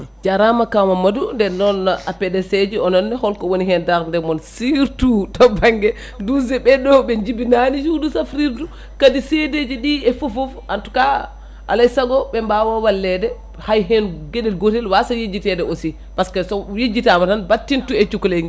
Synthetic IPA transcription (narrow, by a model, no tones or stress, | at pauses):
d͡ʒaɾamakamamadundɛnːɔnapɛdɛsɛd͡ʒiɔnɔnːɛhɔlkɔwoniɦɛndaɾndɛmɔnsiɾtutɔbaŋɡɛ | duzɛɓɛdɔɓɛɲd͡ʒibinanid͡ʒudusafɾiɾtu | kadiseded͡ʒiɗiɛfufɔfantu̥ka | ʔa̰lajsaɡɔɓɛmbawɔwalːɛdɛ | hajɦɛnɡeɗɛlɡotɛlwasajed͡ʒitɛdɛosi | paskasɔjed͡ʒitamatanbatːintuɛt͡ʃukleŋɡɛ